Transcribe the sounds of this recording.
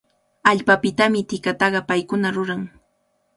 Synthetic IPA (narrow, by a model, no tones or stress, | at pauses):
aʎpapɪt̪amɪt̪ɪkat̪ɑɢɑpajkʊnaɾʊɾaŋ